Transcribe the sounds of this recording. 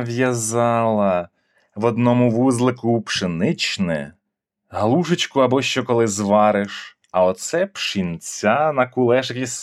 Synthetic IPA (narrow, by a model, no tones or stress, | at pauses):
ʋjɐzɑlˠɐ | ʋɔd̪nɔmʊʋuzlˠɪkʊpʃɪnɪt͡ʃnɛ̰ | ɦlˠuʃet͡ʃkʊɐbɔʃt͡ʃɔkɔlˠɪzʋɑɾɪʃ | ɐɔt̪sɛpʃinʲt͡sʲanɐkʊlˠɛʃɐkʲis